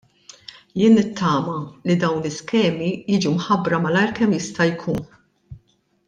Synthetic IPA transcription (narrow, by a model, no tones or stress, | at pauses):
jɪːnːɪt̪ʰːɐːmɐlid̪ɐwnlɪskɛːmijiːd͡ʒumħɐbɾɐmɐlɐjɾkɛmjɪst̪ɐjkʰuːn